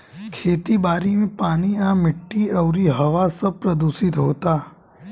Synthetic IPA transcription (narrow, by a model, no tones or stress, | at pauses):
kʰeːt̪ibaːɾimẽpaːniãːmɪʈːiɔʊɾiɦɐʋasɐb̚pɾɐd̪uːsɪt̪ɦoːt̪aː